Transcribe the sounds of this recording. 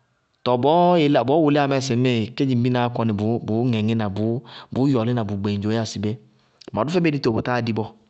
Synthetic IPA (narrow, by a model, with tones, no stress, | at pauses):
tɔ˨bɔ˨˦e˨lɔ˨bɔː˨˦wʊ˨lɪ˦a˨mɛ˦˨sɪ˨˦e˦˨ke˦d͡ʒi˨m˦bi˦na˦kɔ˧nɪ˨bbʊ˨˦ŋɛ˨ŋɪ˦na˨bʊ˨˦bʊ˨˦jɔ˨lɪ˦na˨bu˨ɡ͡be˨d͡ʒo˨˦a˦˨si˨be˦˨ | ma˨dʊ˦fɛ˦be˦di˦to˨bo˨ta˦di˦bɔ˧